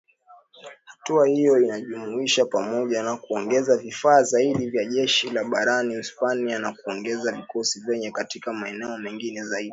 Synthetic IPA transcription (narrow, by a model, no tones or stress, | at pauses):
hatuahijɔinaʄumuiʃapamɔʄanakuɔŋɡɛzavifaːzaiɗivjaʄɛʃilaɓaɾaniuspanianakuɔŋɡɛzavikɔsivjɛɲɛkatikamaɛnɛɔmɛŋɡinɛzaiɗi